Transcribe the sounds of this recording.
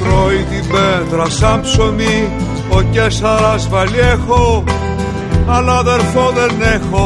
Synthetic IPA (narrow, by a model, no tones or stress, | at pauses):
pɾoiðimbeðɾɐsɐmpsomi | ocesɐɾɐzvɐliexo | ɐlɐðeɾfoðenexo